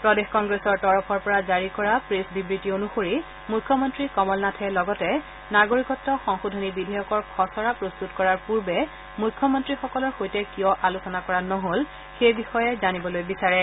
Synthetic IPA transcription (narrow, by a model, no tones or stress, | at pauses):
pɹɔdexkɔŋɡɹesɔɹtɔɹɔpʰɔɹpɔɹazaɹikɔɹapɹesbibɹitionuxoɹi | mujkʰːɔmɔntɹikɔmɔlnatʰɛlɔɡɔtɛ | naɡoɹikɔtːɔxɔŋxudʱonibidʱajɔkɔɹkʰɔsɔɹapɹostutkɔɹaɹpuɹbɛ | mujkʰːjɔmɔntɹixɔkɔlɔɹxojtɛkijɔʔalusɔnakɔɹanɔɦol | xejbixɔjɛzanibɔlojbisaɹɛ